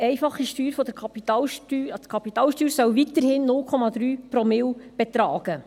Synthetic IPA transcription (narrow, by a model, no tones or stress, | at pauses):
ɛɪfɑχːiʃtyːɾfɔd̥̪əkʰɑpitɑlytkʰɑpit̪ɑːlʃtyːɾsœwvit̪əɾhɪnːʊlkʰɔmɑd̪ɾyːpɾɔmɪlb̥et̪ɾɑːɡ̥ə